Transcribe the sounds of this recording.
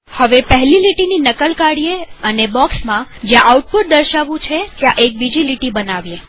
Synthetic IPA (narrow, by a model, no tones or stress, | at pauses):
həʋepəɦliliʈininəkəlkaɽijeənebɔksmãd͡ʒjãʔauʈ̚pʊʈ̚d̪əɾʃaʋũt͡ʃʰet̪jãʔek̚bid͡ʒiliʈibənaʋje